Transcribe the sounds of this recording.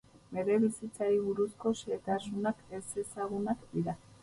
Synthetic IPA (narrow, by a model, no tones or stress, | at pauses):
be̞ɾe̞βisit͡saɾiβ̞uɾusko̞set̪asunake̞se̞saɣunakd̪iɾa